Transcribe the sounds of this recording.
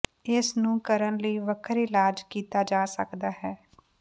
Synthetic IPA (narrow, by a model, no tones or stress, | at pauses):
ɪsnũːkəɾənləiːʋəkʰəɾɪlaːd͡ʒkiːt̪aːd͡ʒaːsə̰kd̪aːɦɛː